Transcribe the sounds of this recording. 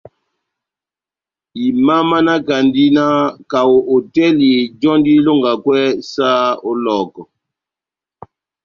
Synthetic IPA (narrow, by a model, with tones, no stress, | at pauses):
i˨ma˦ma˦na˦ka˨ndi˦na˦ka˨wo˨ʔo˨tɛ˦li˨d͡ʒɔ˦ndi˦lo˦ŋɡa˨kwɛ˦sa˦o˦lɔ˨kɔ˨